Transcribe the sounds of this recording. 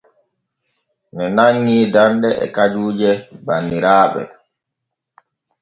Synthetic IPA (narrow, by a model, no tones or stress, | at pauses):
nɛnaŋːiːdanɗɛɛ̰kad͡ʒuːd͡ʒɛbanːiɾaːɓɛ̰